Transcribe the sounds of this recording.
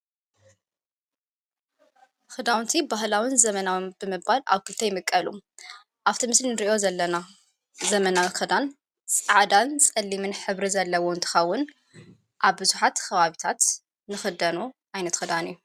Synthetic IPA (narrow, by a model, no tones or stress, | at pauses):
xɨd̪awnt̪ʰibaɦlawɨnzɐmɐnawnbɨmɨbala̰βkʰɨlt̪ʰɐjɪmɨkʼːɐlṵ | ʔaβt̪ʰimɨslinɨɾiʔo̞zɐlːɐna | zɐmɐnawxɨd̪an | t͡sʼaʕd̪ant͡sʼɐlːimɨnħɨβɾizɐlːɐwoɨnt̪ʰɨ̥xɐwːʊn | ʔaβbɨzuħat̪kʰɐβaβit̪ʰat̪ | nɨxɨd̪ɐnuʔajnɐt̪xɨd̪anɨjːu